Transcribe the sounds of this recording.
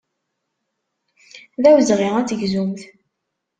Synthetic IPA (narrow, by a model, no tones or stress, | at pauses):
ðæwzʁiʁæt͡sːəʝzumθ